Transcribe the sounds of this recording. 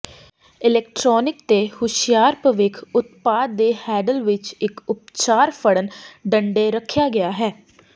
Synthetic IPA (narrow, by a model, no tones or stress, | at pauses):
ɪlɛːk̚ʈɾɔːnɪkt̪eːhʊʃɪjaːɾpəʋɪkʰʊt̪paːd̪ːeːhɛːɖəlʋɪt͡ʃɪkʊp̚t͡ʃaːɾpʰəɽənɖəɳɖeːɾəkʰːjaːɡɪjaːɦɛː